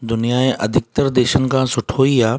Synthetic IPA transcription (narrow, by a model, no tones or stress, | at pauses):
d̪ʊnijaẽʔɐ̰d̪ʱɪk̚t̪əɾd̪eːʃənɪ̆kʰãsʊʈʰoːiaː